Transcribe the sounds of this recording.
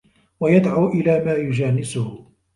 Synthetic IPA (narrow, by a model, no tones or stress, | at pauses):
wajad̪ʕawʔɪlaːmaːjʊd͡ʒaːnɪsʊh